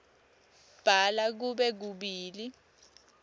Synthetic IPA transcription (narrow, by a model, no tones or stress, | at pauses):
b̥ʱalak̬uɓɛk̬uɓiːli